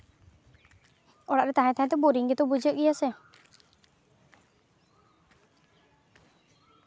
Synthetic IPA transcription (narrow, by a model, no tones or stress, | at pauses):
ɔɽaʔɾɛt̪aɦɛ̃t̪aɦɛ̃t̪ɛboɾiŋɡɛt̪ɔbud͡ʒəʔijasɛ